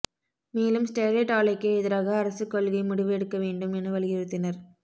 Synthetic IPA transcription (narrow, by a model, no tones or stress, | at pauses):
meːlɯmsʈeːleʈaːlɐɪkːɯɛðɐɾaːɣɐːɾɐsɯkːɔlɣɐɪmʊɽɪʋɯɛɽɯkːɐʋeːɳɖɯmɛnɯʋɐlɪɣɪɾɯt̪ːɪnɐɾ